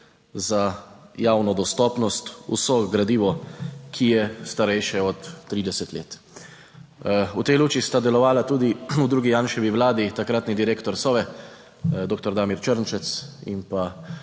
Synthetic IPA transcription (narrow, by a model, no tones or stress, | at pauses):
zajaːwnɔd̪ɔst̪ɔːpnɔst̪ṵsɔɡɾad̪iːʋɔkʰijɛst̪aɾɛjʃɛɔt̪ːɾiːd̪ɛsɛt̪lḛːt̪ | ut̪ɛjluːt͡ʃist̪ad̪ɛlɔʋaːlat̪uːd̪iud̪ɾuːɡijanʃɛʋiʋlaːd̪it̪akɾaːt̪nid̪iɾeːkt̪ɔɾsɔːʋɛ | d̪oːk̚t̪ɔɾd̪aːmiɾt͡ʃəɾnt͡ʃɛt̪sḭmpa